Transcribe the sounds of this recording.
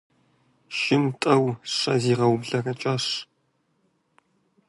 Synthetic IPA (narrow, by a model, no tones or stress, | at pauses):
ʃɪmtʼɐwɕɐ̰ziːʁɐwbɮɐrɐt͡ʃʼaɕ